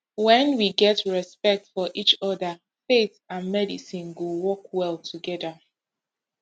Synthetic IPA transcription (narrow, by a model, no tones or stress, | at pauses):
wɛ̃nwiɡɛtɹɛspɛk̚tfɔʔit͡ʃɔdə | fetãnmɛdisĩnɡowɔkwɛlˠtʰuɡɛdə